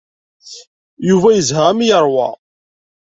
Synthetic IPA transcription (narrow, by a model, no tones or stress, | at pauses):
juvæjəzhæmjəɾˤwɑ̰